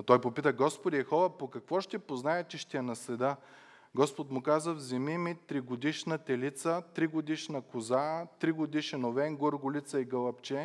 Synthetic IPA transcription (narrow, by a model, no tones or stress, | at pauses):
ɐt̪ɔjpopit̪əɡɔspod̪ʲiɛxɔvəpokɐkvɔʃt̪ɛpoznaɛt͡ʃɛʃt̪ɛɛnɐsɛd̪ə | ɡɔspot̪mʊkazəvzɛmimit̪ɾiɡod̪iʃnət̪ɛlit̪sət̪ɾiɡod̪iʃnɐkʊzat̪ɾiɡod̪iʃɛnovɛŋɡoɾɡʊlit̪səiɡəlˠɐpt͡ʃɛ